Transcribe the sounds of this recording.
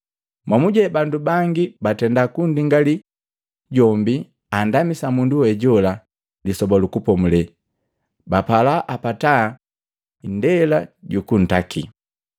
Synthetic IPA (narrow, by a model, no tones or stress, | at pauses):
mwamuɟɛbandubaŋɡibatɛndakundiŋɡali | ɟɔmbi | andamisamunduwɛɟɔla | lisɔbɔlukupɔmulɛ | bapalaʔapata | ndɛlaɟukun̩takʰḭ